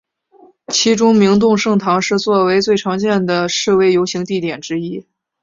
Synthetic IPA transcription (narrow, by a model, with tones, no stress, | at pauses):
t͡ɕʰi˧˥ʈ͡ʂʊ˥ŋmi˧˥ŋt̪̬ʊ˥˧ŋʂɤ˥˩ŋt̪ʰɑ˧˥ŋʂɻ̩˥˧t͡swɔ˥˩we˧˥ɪt͡swe˥˩ɪʈ͡ʂʰɑ˧˥ŋt͡ɕjɛ˥˩nd̪ə˩ʂɻ̩˥˩we˧˥˩ɪjo˧˥ʊɕi˧˥ŋt̪i˥˩t̪jɛ˨˩nʈ͡ʂɻ̩˥i˥